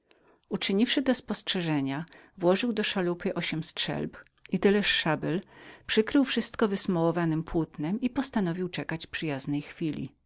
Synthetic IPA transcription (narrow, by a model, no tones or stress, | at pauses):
ut͡ʂɘɲifʂɘd̪ɔspɔstʂɛʐɛɲavwɔʐɘwd̪ɔʂalupɘʔɔɕɛmstʂɛ̰lp | it̪ɘlɛʂːabɛlpʂɘkɾɘwfʂɘst̪kɔvɘsmɔwɔvanɘmpwut̪nɛmipɔst̪anɔvʲiwt͡ʂɛkat͡ɕpʂɘjaznɛjxfʲilʲḭ